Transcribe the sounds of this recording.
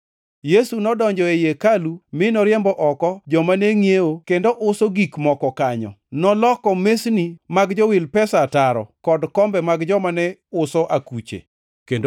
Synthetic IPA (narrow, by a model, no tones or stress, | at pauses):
jesunɔdɔɲd͡ʒɔejekalumɪnɔɾjɛmbɔʔɔkɔd͡ʒɔmaneŋjeokendoʔʊsoɡikmɔkɔkaɲɔ̰ | nɔlɔkɔmesnimaɡd͡ʒɔwɪlpɛsataɾɔ̰kɔdkɔmbɛmaɡd͡ʒɔmanɛʊsɔʔakut͡ʃḛ | kendo